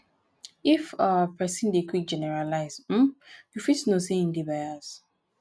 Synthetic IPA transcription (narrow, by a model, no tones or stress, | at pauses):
ifapʰɛsĩndekʰwik̚d͡ʒɛnɛɹalaɪzm̩jufitnosĩĩndibajas